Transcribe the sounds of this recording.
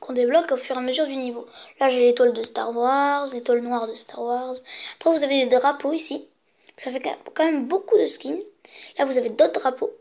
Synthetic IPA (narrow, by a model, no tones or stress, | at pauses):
kʰɔ̃d̪eblɔkofyʁeaməzyʁd̪ynivolaʒelet̪wald̪əst̪a̰ʁwaʁzlet̪walnwaʁd̪əst̪aʁwaʁzapχɛvuzaved̪ed̪ʁapoisi | safɛkkɑ̃mɛmbokud̪əskʲinlavuzaved̪ot̪ʁapʰo